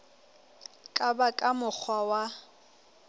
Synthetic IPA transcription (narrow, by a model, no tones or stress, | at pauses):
kʼabakʼamʊk͡xʰwawa